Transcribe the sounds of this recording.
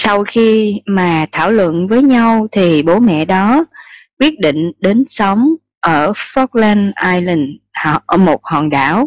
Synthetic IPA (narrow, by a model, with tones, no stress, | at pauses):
sa˧wxi˧maː˨˩t̪ʰaː˧˩wlwə̰˧˨nvəː˨˦jɲa˧wt̪ʰi˨˩ɓo˨˦mɛ̰˧˨ɗɔ˨˦kwi˦˥ət̚ɗḭ˧˨ŋ̟ɗe˨˦nsə˨˦wŋ͡m | ʔəː˧˩fɔ˦˥k̚lɛ˧nʔaː˧jli˨˧˩ŋ˧ | mo˨˩t̚hɔ˨˩nɗaː˧˩w